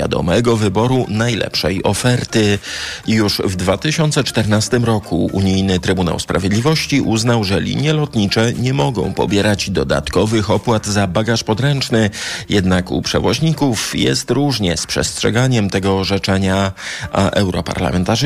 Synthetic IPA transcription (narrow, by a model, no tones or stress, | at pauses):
ja̰d̪ɔ̰mɛɡɔvɘbɔɾunajlɛ̰pʂɛjɔfɛɾt̪ɘjuʂvd̪vat̪ɘɕɔnt̪sɛt͡ʂt̪ɛɾnast̪ɘmɾɔkʰuṵɲijnɘt̪ɾɘbuna̰wspɾavʲjed̪lʲivɔɕt͡ɕiʔuznawʐɛlʲḭɲjɛlɔt̪ɲit͡ʂɛɲɛmɔɡɔ̰̃w̃pɔ̰bʲjɛɾad͡ʑd̪ɔd̪a̰t̪kɔvɘxɔpwad̪zabaɡaʂpɔd̪ɾɛnt͡ʂnɘjɛd̪nakṵpʂɛ̰vɔʑɲikufjɛ̰st̪ɾuʐɲɛspʂɛ̰stʂɛɡaɲɛmt̪ɛɡɔːʐɛt͡ʂɛɲa | ʔɛwɾɔpa̰ɾla̰mɛnt̪aʐ